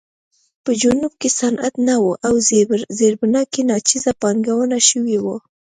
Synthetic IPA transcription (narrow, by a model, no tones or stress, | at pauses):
pəd͡ʒʊnub̚kesanat̪nawuʔawzebɾzeɾbnɑkenɑt͡ʃizapɑŋɡawənaʃəwiwo